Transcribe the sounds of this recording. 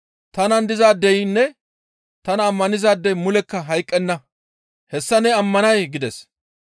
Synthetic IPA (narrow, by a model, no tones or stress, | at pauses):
t̪ɐnɐnd̪ɪzaːd̪ːɛjnːɛ | t̪ɐnɐːmːɐnɪzaːd̪ːɛjmʊlɛkːɐɦɐjkʼːɛnːɐ | hɛsːɐnɛɐmːɐnɐjɡɪd̪ɛs